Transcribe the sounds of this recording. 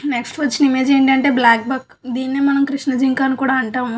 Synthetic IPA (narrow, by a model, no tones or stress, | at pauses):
neksʈʋɐt͡ʃːinimeːd͡ʒeːɳʈɐɳʈe̞ːblaːk̚bɐk | d̪iːnːeːmɐnɐmkɾiʂnɐd͡ʒiŋkaːnukuːɽaːɐɳʈaːm